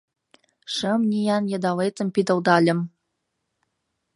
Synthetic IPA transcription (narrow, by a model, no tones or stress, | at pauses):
ʂə̆mnʲijɑnjɤd̪ɑlet̪ɤ̆mpʲid̪ɤ̆ld̪ɑlʲɘ̆m